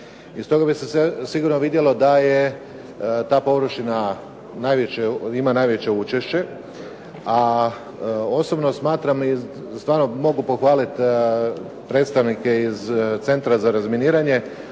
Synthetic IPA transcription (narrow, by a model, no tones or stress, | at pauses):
ist̪o̞ɡabisesesiɡuɾnoʋid̪je̞lo̞d̪aje | t̪aːpo̞ʋɾoʃina | najʋet͡ɕeimanaːjʋe̞t͡ɕe̞ut͡ʃe̞ʃt͡ɕe̞ | a | o̞so̞bno̞smaːt̪ɾamist̪ʋaːɾnomo̞ɡupo̞xʋaːlit̪ | pɾe̞ːt̪st̪aʋnike̞izt̪se̞nt̪ɾazaɾazminiːɾaɲe̞